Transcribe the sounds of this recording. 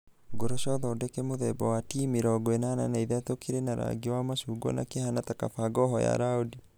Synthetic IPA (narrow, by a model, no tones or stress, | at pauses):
ɡoɾɔʃɔðɔdɛkɛmoðɛbɔwatimiɾɔɡwɛnana̰naiðatokiɾenaɾa̰ɡiwamaʃuɡɔ̰na̰kehanataka̰faɡɔɦɔja̰ɾaodi